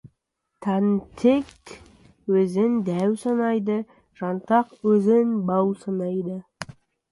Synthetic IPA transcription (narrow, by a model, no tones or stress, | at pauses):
t̪ʰɑnt̪ʰek | wɵzɪnd̪æwsɑnɑjd̪ə | ʒ̥ɑnt̪ɑqwɵzɪnbɑwsɑnɑjd̪ə